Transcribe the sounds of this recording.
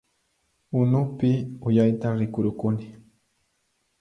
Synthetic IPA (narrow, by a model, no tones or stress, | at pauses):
ʊnʊpɪʊjajt̪aɾɪkʊɾʊkʊnɪ